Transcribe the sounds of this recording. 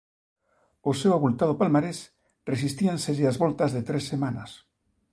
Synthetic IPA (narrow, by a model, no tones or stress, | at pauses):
osewaβult̪aðopalmaɾes | resist̪ianseɾeazβolt̪azðet̪ɾesːemanas